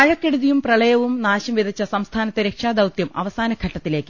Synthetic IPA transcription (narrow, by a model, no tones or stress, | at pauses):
ɐɻɐkːeɽuðijumprɐɭɐjɐʋumnaːɕɐmʋid̪ʱɐt͡ɕːɐsɐmst̪ʰaːnɐt̪ːeɾekʂaːd̪ɐwt̪jɐmʔɐ̰ʋɐsaːnɐɡʰʱɐʈːɐt̪ːile̞ːkːɨ